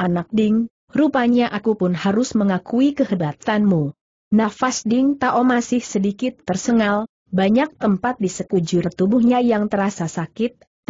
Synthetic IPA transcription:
ʔanak̚dɪŋ | rupaɲaʔakupʊnhaɾʊsməŋakuikəɦədat̪anmu | nafasdɪŋt̪aʔomasɪhsədikɪt̪ːərsəŋal | baɲak̚t̪əmpat̪̚disəkud͡ʒʊrt̪ubuhɲajaŋt̪əɾasasakɪt̪̚

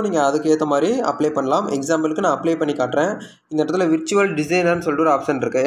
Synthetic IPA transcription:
niːŋɡɐɐðɯkːeːɾt̪ːɐmaːd̪ɾiɐ̰pleːpɐɳːɐlaːmɛksaːmbɐlɯkːɯnãːɐpleːpɐɳːikaːʈːɾẽː | ɪnɐnʈːɐt̪ːɪlɐʋɪɾt͡ʃʊʋɐlɖɪsɐɪnɐnːɯsɔlɪʈːɯʋɔɾaːpsɐnɪɾɯkːɯ

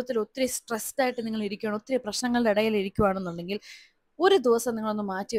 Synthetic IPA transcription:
ɐt̪ːilo̞t̪ːiɾɐsʈrestaːjiʈːɨniŋːɐɭiɾikʲːuaːɳo̞t̪ːiɾɐprɐɕnɐŋːɐɭɖeiɽɐjiːliɾikʲːuʋaːɳenːuɳɖe̞ŋɡil | o̞ɾud̪iʋɐsɐmniŋːɐɭo̞nːɨmaːtːiʋ

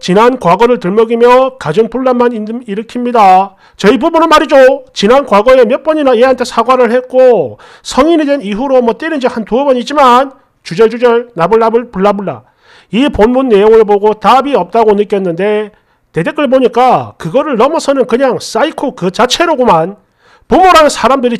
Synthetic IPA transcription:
t͡ɕinankwaɡʌɾɯɭtɯɭmʌɡimjʌkad͡ʑoŋpuɭːamaniiɾɯkʰimɲida | t͡ɕʌibubunɯmaɾid͡ʑot͡ɕinankwaɡʌe̞mjʌp͈ʌɲinaeɦantʰesʰaɡwaɾɯɭhet̚k͈o | sʰʌŋinidwe̞niɦuɾomwʌt͈eɾind͡ʑihantuʌbʌɲid͡ʑiman | t͡ɕud͡ʑʌɭd͡ʑud͡ʑʌɭnabɯɭnabɯɭpuɭːabuɭːa̰ | iponmunːe̞joŋɯɭpoɡotabiʌp̚t͈aɡonɯk͈jʌnːɯnde̞ | te̞dek͈ɯɭp̬oɲik͈akɯɡʌɾɯɭːʌmʌsʰʌnɯnkɯɲaŋs͈aikʰokɯt͡ɕat͡ɕʰe̞ɾoɡoman | pumoɾanɯnsʰaɾamdɯɾi

